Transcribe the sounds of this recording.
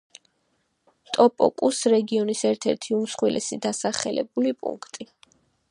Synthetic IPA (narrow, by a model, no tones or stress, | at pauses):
t̪ʼɔpʼɔ̰kʼusɾɛɡiɔnisɛɾt̪ʰɛɾt̪ʰiumsχwilʔɛ̰sid̪asaχɛlɛ̰bulipʼṵŋkʰt̪ʼi